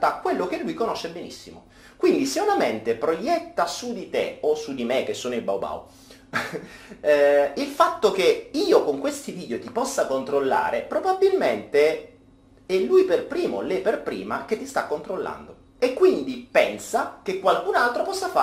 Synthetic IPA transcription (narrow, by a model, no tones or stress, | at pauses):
t̪aːkːwelːokelːujkonoʃːebenḭsːḭmo̰ | kwind̪iseunament̪epɾojɛt̪ːasud̪it̪ḛosːud̪imek̟ːesːoːnoiba̰wba̰w | ilfat̪ːok̟eiːokoŋkwest̪iviːd̪eot̪ipɔsːakont̪ɾolːa̰ːɾepɾobabːilment̪e | ɛlːujperpɾiːmo̰lepːerpɾḭːmak̟et̪ːist̪akːont̪ɾolːa̰nd̪o | ekːwind̪ipɛnsakekːwalkunalt̪ɾopɔsːafa